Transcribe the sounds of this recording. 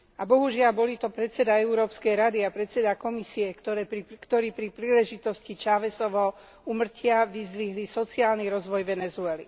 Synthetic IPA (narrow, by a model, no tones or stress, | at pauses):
abɔɦuʒɪalbɔlit̪ɔpɾɛt̪t͡sɛd̪aɛuɾɔːpskɛjɾad̪iapɾɛt̪t͡sɛd̪akɔmisiɛkt̪ɔɾɛkt̪ɔɾiːpɾipɾiːlɛʒit̪ɔscit͡ʃaʋɛsɔʋɔ | umr̩cɪaʋizd̪ʋiɦlisɔt͡siaːlniɾɔzʋɔjʋɛnɛzuɛlḭ